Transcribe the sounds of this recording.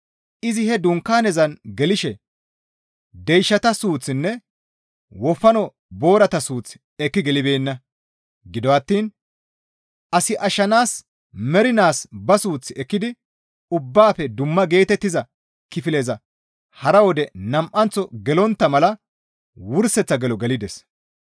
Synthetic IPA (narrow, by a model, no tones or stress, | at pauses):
ʔɪzɪhɛd̪ʊŋkːaːnɛzɐnɡɛlɪʃɛ | d̪ɛjʃːɐt̪ɐsuːt͡sːɪnːɛ | wɔfːɐnɔ | bo̞ːɾɐt̪ɐsuːt͡sːɪ̥ | ɛkːɪɡɛlɪbe̞ːnːɐ | ɡɪd̪ɔɐt̪ːiːn | ʔɐsɪʔɐʃɐnaːs | mɛɾɪnaːsbɐsuːt͡sːɪɛkːɪd̪ɪ | ʊbːaːfɛd̪ʊmːɐɡe̞ːt̪ɛt̪ːɪzɐ | kɪfɪleːzɐ | hɐɾɐwɔd̪ɛnɐmʔɐnt͡sːɔɡɛlɔnt̪ːɐmɐlɐ | wʊɾsɛt͡sːɐɡɛlɔɡɛlɪd̪ɛs